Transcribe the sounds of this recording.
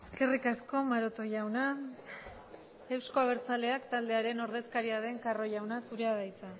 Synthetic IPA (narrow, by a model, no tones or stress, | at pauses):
eske̞rikasko̞maɾo̞t̪o̞ʝawna | e̞wsko̞aβ̞e̞ɾt͡sale̞akt̪ald̪e̞aɾe̞no̞ɾðe̞skaɾiað̞e̞ŋkaro̞jawnasuɾeaðajt͡sa